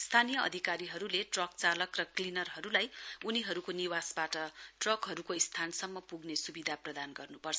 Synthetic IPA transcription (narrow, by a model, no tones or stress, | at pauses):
st̪ʰanijʌʌ̰d̪ʱikaɾiɦʌɾuleʈrʌk̚t͡salʌkrʌklinʌrɦʌɾulajuniɦʌɾukoniwasbaʈʌʈrʌkɦʌɾukoist̪ʰansʌmːʌpuɡnesubid̪ʱaprʌd̪anɡʌrnupʌrt͡sʰʌ